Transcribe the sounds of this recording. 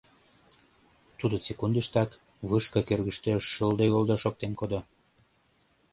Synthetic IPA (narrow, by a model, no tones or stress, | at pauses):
t̪ud̪osekund̪əʃt̪ɑk | βɯʃkɤkørɣəʃt̪øʃəld̪eɣold̪oʃok̚t̪enkod̪o